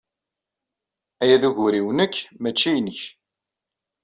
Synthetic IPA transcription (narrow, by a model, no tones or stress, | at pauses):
æjæðuʝʊɾiwnəkːmæt͡ʃːijnəç